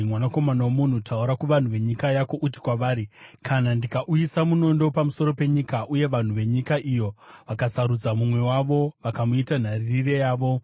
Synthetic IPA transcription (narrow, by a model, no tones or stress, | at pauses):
mwanako̞manawomun̤utʰauɾakuʋan̤uʋe̞ɲikajako̞ʔuti̥kwaʋaːɾikʰanandikaʔujisamuno̞ndo̞pamuso̞ɾo̞pe̞ɲikaʔuje̞ʋan̤uʋe̞ɲikaʔijo̞ʋakasaɾud͡zamumwe̞waʋo̞ʋakamuitan̤aririre̞jaːʋo̞